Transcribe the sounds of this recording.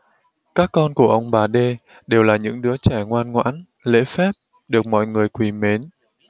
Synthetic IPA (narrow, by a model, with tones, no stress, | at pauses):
kaː˦˥kːɔ˧nku˧˩əʔə˧wŋ͡mɓaː˨˩ɗe˧ | ɗe˨˩wlaː˨˩ɲɨ̰˧˥ŋɗɨ˨˦ət͡ɕɛ˧˩ŋwaː˧nŋwa̰ː˧˥n | lḛ˧˥fɛ˦˥p̚ | ɗɨ˨˩ək̚mɔ̰˧˨jŋɨ˨˩əjkwi˨˩me˨˦n